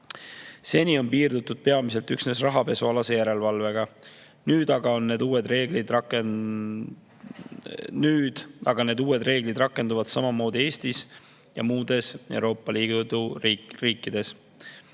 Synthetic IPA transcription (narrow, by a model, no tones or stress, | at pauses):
se̞nʲio̞npiːrd̪ut̪ːˑud̪̥̚pe̞ɑmise̞lt̪yksne̞srɑɦɑpe̞suɑlɑse̞jæɾe̞lvɑlve̞ɡ̥ɑ | nyːd̪̥ɑɡ̥ɑo̞nːe̞ːd̪uːwe̞d̪re̞ːɡ̥lid̪ɑke | nyːd̪̥ɑɡ̥ɑne̞ːd̪uːe̞d̪re̞ːɡ̥lid̪rɑkːˑe̞nd̪uvɑd̪̥sɑmɑmo̞ːd̪̥ie̞ːst̪is | jɑ̰muːd̪̥e̞se̞̰wɾo̞ːpːˑɑliːd̪uriːkːˑid̪̥e̞s